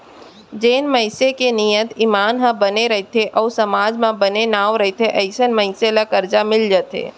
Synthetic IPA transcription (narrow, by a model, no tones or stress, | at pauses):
d͡ʒeːnməɪsekenijət̪ɪmaːnɦə̃bəneɾəɦt̪ʰeʔɔːsəmaːd͡ʒmãbənenaːʋɾəɦit̪ʰeʔəɪsənməɪselakəɾd͡ʒamɪld͡ʒət̪ḛː